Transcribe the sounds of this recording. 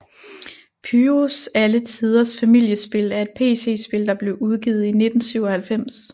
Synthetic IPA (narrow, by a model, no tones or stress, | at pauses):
pʰyːʁosælət͡sʰið̞ˠɐsfæmil̰jəsb̥e̝læɐe̝d̥̚pʰe̝̰ːse̝̰ːsb̥e̝ld̥ɑ̈b̥le̝ʊuð̞ˠɡ̥iːð̞̩ˠine̝d̥n̩syʊɒhælfem̰s